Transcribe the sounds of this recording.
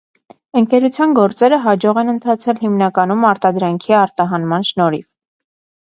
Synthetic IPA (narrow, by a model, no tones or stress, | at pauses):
əŋkɛɾut͡sʰjɑnɡɔɾt͡sɛɾəɦɑd͡ʒɔʁɛnənt̪ʰɑt͡sʰɛlɦimnɑkɑnumɑɾt̪ɑd̪ɾɑŋkʰiɑɾt̪ɑɦɑnmɑnʃnɔɾḭv